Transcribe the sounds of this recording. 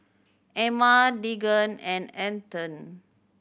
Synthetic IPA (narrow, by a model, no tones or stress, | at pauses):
ɛmadiɡə̃nɛ̃nɛ̃ntə̃n